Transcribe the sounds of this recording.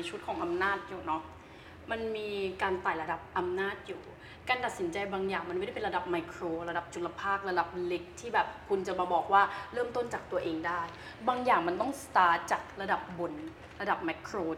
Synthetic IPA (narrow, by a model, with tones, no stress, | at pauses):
t͡ɕʰu˦˥t̪̚kʰɔː˩˦ŋʔa˧mnaː˥˩t̪̚juː˨˩nɔ˦˥ | ma˧nmiː˧kaː˧nt̪aː˨˩jla˧da˨˩p̚ʔa˧mnaː˥˩t̪̚juː˨˩ | kaː˧nt̪a˨˩t̪̚si˩˦nt͡ɕa˧jbaː˧ŋjaː˨˩ŋma˧nma˥˩˥pe˧ɾa˧da˨˩p̚ma˧jkʰɾoː˧ɾa˧da˨˩p̚t͡ɕu˨˧˩la˧pʰaː˥˩k̚la˧da˨˩p̚le˦˥k̚t̪ʰːiː˥˩bɛː˨˩p̚kʰu˧nt͡ɕa˨˩maː˧bɔː˨˩k̚waː˥˩ɾɤː˥˩mt̪o˥˩nt͡ɕaː˨˩k̚t̪u˧ɐʔeː˧ŋdaː˥˩j | baː˧ŋjaː˨˩ŋma˧nt̪ɔ˥˩ŋst̪aː˦˥t̪̚t͡ɕaː˨˩k̚ɾa˧da˨˩p̚bo˧n | la˧da˨˩p̚mɛ˦˥kʰːɾoː˧